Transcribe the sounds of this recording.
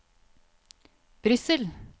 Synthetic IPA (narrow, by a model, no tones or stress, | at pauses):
b̥ɾʏsəl